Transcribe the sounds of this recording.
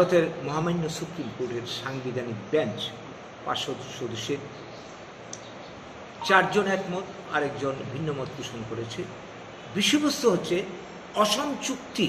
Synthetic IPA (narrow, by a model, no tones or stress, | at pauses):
ot̪eɾmɔɦamajnːosupɾimkoɾʈeɾʃaŋbid̪ʱanibɛnt͡ɕ | pa̰ʃod̪ʃod̪uʃːe | t͡ɕaɾd͡ʑonɛkmot̪ | a̰ɾek̚d͡ʑonbʱinːomɔt̪̚puʃonkoɾet͡ɕʰe | biʃːobost̪oɦotːɕʰe | ɔʃɔmt͡ɕukt̪i